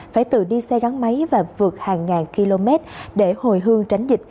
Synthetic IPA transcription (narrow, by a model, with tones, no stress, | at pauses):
faː˧˩jt̪ɨ̰˧˨ɗi˧sɛ˧ɣa˨˦ŋma˨˦jvaː˨˩vɨ˨˩ək̚haː˨˩ŋːaː˨˩nki˧lo˧me˦˥t̚ɗe˧˩ho˨˩jɦɨ˧əŋt͡ɕa˨˦jŋ̟zï˨˩t̟̚